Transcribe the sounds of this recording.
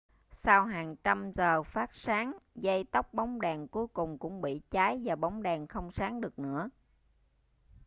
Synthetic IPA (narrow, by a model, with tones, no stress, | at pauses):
sa˧wɦaː˨˩ŋt͡ɕa˧mzəː˨˩faː˦˥t̚saː˨˦ŋzə˧jt̪ə˦˥wk͡p̚ɓa˨˦wŋ͡mɗaː˨˩ŋku˨˦jkʊ˨˩ŋ͡mkʊ̰˧˥ŋ͡mɓḭ˧˨t͡ɕaː˨˦jvaː˨˩ɓa˨˦wŋ͡mɗaː˨˩ŋxə˧wŋ͡msaː˨˦ŋɗɨ˨˩ək̚nɨ̰˧˥ə